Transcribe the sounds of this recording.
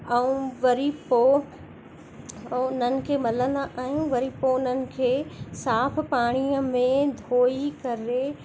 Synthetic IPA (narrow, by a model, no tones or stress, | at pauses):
ɐũʋɐɾipo | ʊnənɪ̆kʰeːmɐlə̃nd̪aʔaːɦijũʋɐɾipoʊnənɪ̆kʰeːsaːpʰpaːɽ̃iəmẽd̪ʱoːikɐɾe